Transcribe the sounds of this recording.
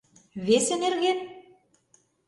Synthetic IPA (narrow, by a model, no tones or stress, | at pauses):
βesĕnerɣen